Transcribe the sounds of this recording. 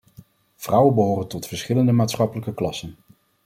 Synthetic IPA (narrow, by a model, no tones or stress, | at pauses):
v̥rʌwənbəɦoːrəntɔtfəɹsχɪləndəmaːtsχɑpələkəklɑsən